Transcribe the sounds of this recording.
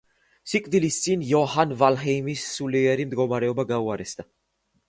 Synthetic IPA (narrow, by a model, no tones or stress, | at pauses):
sikʼvilisinjɔhanvalɦɛjmisːuliaɾimd̪ɡɔmaɾɛɔbaɡawaɾɛst̪a